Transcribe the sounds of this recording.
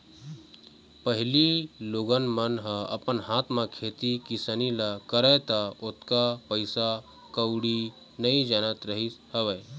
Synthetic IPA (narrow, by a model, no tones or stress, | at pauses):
pəɦɪliloɡənmənɦə̃ɐ̰pənɦaːt̪ʰmãkʰet̪ikisənilakəɾət̪aot̪kapəɪsa | kəwɽi | nəid͡ʒanət̪ɾəɦishəʋɛː